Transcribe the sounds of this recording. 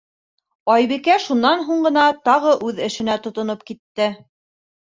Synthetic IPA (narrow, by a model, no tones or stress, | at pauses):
ɑjβikæʃunːɑnɦuɴɢɤ̆nɑt̪ɑʁɤʔʉðɘ̆ʃɘ̆næt̪ŏt̪ŏnopkit̪ːɘ